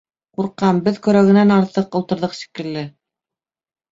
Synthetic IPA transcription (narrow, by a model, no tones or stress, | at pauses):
quɾqːɑmbɘðkɵ̆ɾæɡɘ̆nænɑɾt̪ɤqŏlˠt̪ɤ̆ɾðɤqʃi̥kɘ̆lːɘ